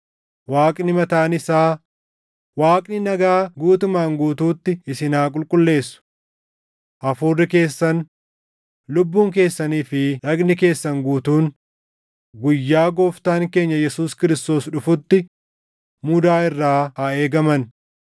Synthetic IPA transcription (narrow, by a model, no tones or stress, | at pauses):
waːkʼnɪmɐt̪aːnɪsaː | waːkʼnɪnɐɡaːɡuːt̪ʊmaːŋɡuːt̪uːt̪ːɪɪsɪnaːkʼʊlkʼʊlːe̞ːsːʊ̥ | ʔɐfuːrːɪke̞ːsːɐn | lʊbːuːŋk̬e̞ːsːɐniːfɪᶑɐɡnɪke̞ːsːɐŋɡuːt̪uːn | ɡʊjːaːɡoːft̪aːŋke̞ːɲːɐjɛsuːskɪɾɪst̪o̞ːsᶑʊfʊt̪ːɪ | mʊd̪aːɪrːaːɐe̞ːɡɐmɐn